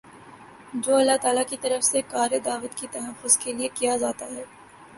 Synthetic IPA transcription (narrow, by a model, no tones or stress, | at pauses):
d͡ʒoːɐlːaɦt̪aːlakit̪ɐɾəfsekaːɾed̪aːʋət̪kit̪ɐɦəfʊzkeliekijad͡ʒaːt̪aɦɛː